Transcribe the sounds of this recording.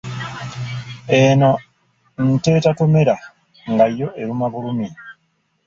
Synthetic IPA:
eno̞ | n̩te̞ːtato̞me̞ɾa | ŋɡajːo̞ʔe̞ɾumaβulumi

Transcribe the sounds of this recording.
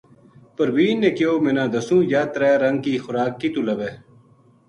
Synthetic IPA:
pəɾwiːnːẽːkjoːmeːnãːd̪ɐsũːjaːt̪ɾaːɾɐŋɡ̚kiːxʊɾaːkːiːt̪ulɐʋeː

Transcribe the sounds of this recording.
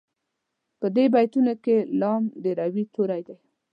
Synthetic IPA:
pəd̪ebajt̪unokelɑmd̪əɾawit̪oɾajd̪aj

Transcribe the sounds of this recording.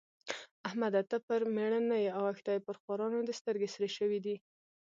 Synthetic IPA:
ahmad̪at̪apəɾmeɳənajeawaxt̪ajepəɾxwɑɾɑnod̪əst̪əɾɡesɾeʃəwid̪i

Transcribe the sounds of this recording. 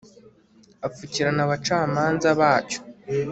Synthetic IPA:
afuciɾanaβat͡ʃaːmaːnzaβaːco̥

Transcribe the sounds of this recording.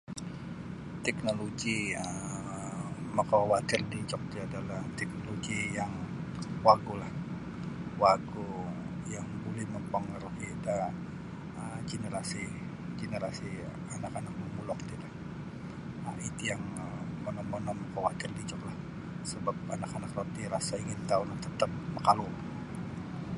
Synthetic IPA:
t̪ɛknoloɡiə | məkɔwat̪ɪrdiɲt͡ʃɔk̚t̪uadalaht̪ɛk̚noloɡijaŋ | waɡulah | waɡu | jaŋbolɛhməmpəŋəɾuhiet̪a | ət͡ʃinəɾasi | d͡ʒenəɾasi | anakanak̚məmulɔkt̪ilah | əit̪ujaŋəmənɔmːonɔmkəwat̪ɪrdit͡ʃɔklah | səbap̚anakanakrot̪iɾasaiŋɪnt̪aunat̪ət̪əp̚məkalul

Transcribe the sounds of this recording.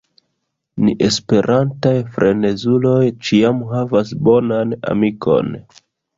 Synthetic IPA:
niʔe̞spe̞ɾʔantajfɾʔe̞ne̞zulo̞jt͡ʃiamɦavasbo̞nana̰mikʰo̞̰n

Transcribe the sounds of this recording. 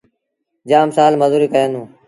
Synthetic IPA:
d͡ʒaːmsaːlməzuːɾiːkəjãːnũː

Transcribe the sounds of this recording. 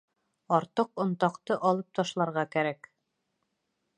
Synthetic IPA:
ɒɾt̪ɤqŏnt̪ɑqt̪ɤʔɑlˠɤp̚t̪ɑʃlˠɑɾʁɑkæɾæk

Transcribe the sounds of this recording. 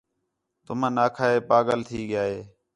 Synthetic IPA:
t̪ʊmãːnaːkʰaːɦeːpaːɠəlt̪ʰiːɠjaːɦeː

